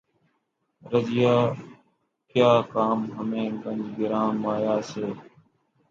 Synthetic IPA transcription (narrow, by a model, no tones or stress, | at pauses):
ɾəd͡ʒɪjaː | kʰjaːkaːmɦəmẽːɡənd͡ʒɡɪɾaːmaːjaːseː